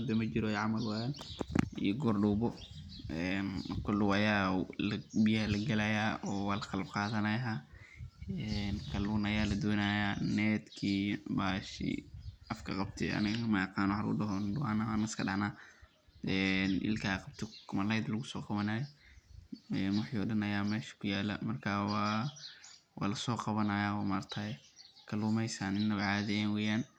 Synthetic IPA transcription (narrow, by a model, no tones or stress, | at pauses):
d̪ɐmɐd͡ʒɪɾɔʕɑmɐlwɐjalḭjɔɡɔrɖuːbɔ | ʔɛnkʰɔlːʊwɐjaːlbijɐhlɐɡɐlɐjaːɔːwaːlɐqɑlɐbqɑːðɐnaja | ɛnkʰɐluːnɐjaːlɐd̪ɔːnajanɛːd̪kʰiːbaːʃḭʔɐfkʰɐ̰qɑb̚t̪ʰɛ̰ʔɐ̰nɪɣɐmɐqɑːnwħɾʊ̰dɐɦɔndʊʕɑnɐanɐɪskʰɐɗɑʕnaː | ʔɛnʔɪ̰lkʰaqɑb̚t̪ʰɔkʰʊmɐlɐjd̪lɐɣʊsɔːqɑβɐnaːjɔ | ɛːnwʊħiːɔɽɐnɐjaːmɛːʃɐ̥kʰʊjaːlɐ̰mɐrkʰaːwɑ | wɑ̰ːlɐsɔːqɑβɐnajawamart̪ʰakʰɐlumɛjsaːnɪnːɐβʕaːðɛɛːnwɛːjaːn